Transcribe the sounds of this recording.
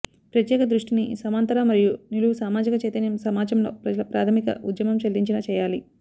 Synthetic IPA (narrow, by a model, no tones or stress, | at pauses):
pɾɐt̪jɛːkɐd̪ɾuʂʈinisɐmant̪ɐɾaːmɐɾijuniluʋusaːmaːd͡ʒikɐt͡ʃejt̪ɐnjɐmsɐmaːd͡ʒɐmlo̞̰ːpɾɐd͡ʒɐlɐpɾaːt̪ʰɐmikɐ̰ʔud̪jɐmɐmʃeld̪iɲt͡ʃinɐːt͡ʃɛːjaːli